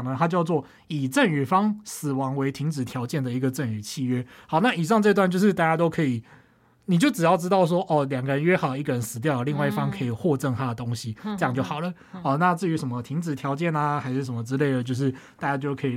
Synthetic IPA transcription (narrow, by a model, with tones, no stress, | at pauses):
ŋnə˦t̪ʰa˥t͡ɕjʊt͡swɔ˥˩ | i˨˩ʈ͡ʂə˥˨˩ny˨˩fɑ˥ŋsɹ̩˨˩wɑ˧˥ŋwe˧˥ɪt̪ʰi˧˥ŋt͡sɻ̩˨˩t̪ʰjɑ˧˥ʊt͡ɕjɛ˥˩nd̪ə˩i˧˥ɡə˨ʈ͡ʂə˥˩ny˨˩t͡ɕʰi˥˨ɥɛ˥hɑ˨˦ʊna˥˩˨i˨˩ʂ̬ɑ˥˧ŋʈ͡ʂɤ˥˧i˧t̪wa˥˧nt͡ɕjo˥˧ʊʂɻ̩˥˧t̪a˥˩t͡ɕja˥t̪o˥ʊkʰə˧˥i˨˩ | ni˨˩t͡ɕjo˥˩ʊʈ͡ʂɻ̩˨˩jɑ˥˩ʊʈ͡ʂɻ̩˥t̪ɑ˥˩ʊʂ̬wɔ˥ʔɔ˥˩ljɑ˨˩ŋɡə˧ɻə˧˦nɥɛ˥xɑ˨˩ʊi˥ɡə˨˩ɻə˧˦nsɹ̩˨˩t̪̬jɑ˥˩ʊlə˨˩li˥˧ŋwa˥˧ɪi˥˩fɑ˥ŋkʰə˧˥i˨˩xwɔ˥˧ʈ͡ʂə˥˩ŋt̪ʰa˦˥d̪ə˨˩t̪o˥˦˥ŋɕi˨ə˧jɑ˥˧ŋt͡ɕjo˥˩ʊxɑ˨˩ʊlə˦ | ɔ˥˧na˥˧t͡sɹ̩˥˩y˧˥ʂə˨˩mə˦t̪ʰi˧˥ŋt͡sɻ̩˨˩t̪ʰjɑ˧˥ʊt͡ɕjɛ˥˩nə˧xa˧˥ɪʂɻ̩˥˩ʂ̬ə˨˩mə˦t͡sɻ̩˥˦le˥˩ɪlə˩t͡ɕjo˥˧ʊʂɻ̩˥˩t̪a˥˧t͡ɕja˥t͡ɕ̬jo˥˩ʊkʰɤ˧˥i˨˩